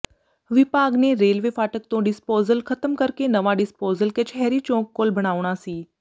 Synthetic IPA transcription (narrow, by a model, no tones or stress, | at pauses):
ʋɪpaːɡneɾeːlʋeːfaːʈək̚t̪õːɖɪspoːzəlkʰət̪əmkəɾkenəʋaɖɪspoːzəlket͡ʃʰɛːɾiːt͡ʃõːkːolbʱɐɽ̃aːʋɽ̃aːsiː